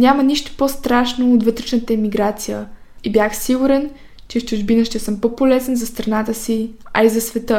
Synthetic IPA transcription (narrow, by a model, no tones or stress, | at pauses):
nʲaməniʃt̪o̥post̪ɾaʃnoːt̪vət̪ɾɛt͡ʃnət̪əɛmiɡɾat̪sijə | ibʲjaxsiɡuɾɛn | t͡ʃɛft͡ʃʊʒbinəʃt̪ɛsɤmpopolɛzɛnzɐst̪ɾɐnat̪əsiɐ̰izɐsvɛt̪ə